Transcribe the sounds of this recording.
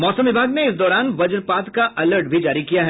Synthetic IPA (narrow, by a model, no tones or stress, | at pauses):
mɔːsə̃mʋɪbʱaːɡneɪsd̪ɔːɾaːnʋɐd͡ʒnpaːt̪kaʔɐləɾʈ̚bʱid͡ʒaːɾikijaɦɛ